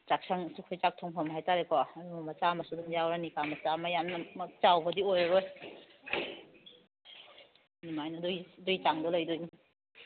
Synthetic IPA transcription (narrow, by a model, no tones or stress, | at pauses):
t͡ʃak̚saŋsukʰojt͡ʃak̚tʰɔŋpʰɔmaɦajtaɾekɔɐdumɐmɐt͡ʃamɐsuduŋjawɾanikamɐt͡ʃamɐjannamɐt͡ʃawbɐdiojɾɐɾoj | nimajnɐdudujit͡ʃaŋdɔlɐjdujni